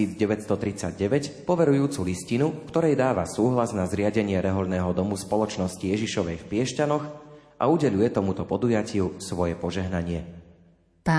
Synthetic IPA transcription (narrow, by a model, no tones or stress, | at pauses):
iːd͡zɟɛʋɛtst̪ɔt̪ɾit͡saɟɟɛʋɛcpɔʋɛɾujuːt͡suliscinufkt̪ɔɾɛjd̪aːʋasuːɦlaznazɾɪaɟɛɲɪɛɾɛɦɔʎnɛːɦɔd̪ɔmuspɔlɔt͡ʃnɔscijɛʒiʃɔʋɛjfpɪɛʃcanɔxʔa̰uɟɛʎujɛt̪ɔmut̪ɔpɔd̪ujacɪusʋɔjɛpɔʒɛɦnaɲɪɛ | p